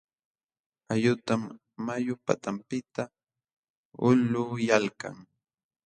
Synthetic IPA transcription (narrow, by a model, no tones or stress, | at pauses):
ajʊt̪amː | ajʊpa̰t̪ampɪt̪a | ʊlʊːjalka̰ŋ